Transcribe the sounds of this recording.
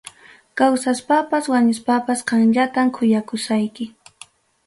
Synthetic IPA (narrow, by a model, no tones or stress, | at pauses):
kawsaspapaswaɲʊspapasqɑŋʎat̪amkʰʊjakʊsajkɪ